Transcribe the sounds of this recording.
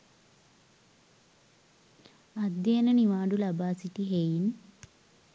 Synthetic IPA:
ɐd̪jeːnɐniʋaːɖulɐbaːsiʈ̪iɦeːjin

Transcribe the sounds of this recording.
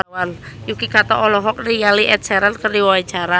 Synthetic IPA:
wanjukikat̪ɔʔɔlɔɦɔk̚rijaliʔɛt̪̚sɛɾankərdiwawat͡ʃaɾa

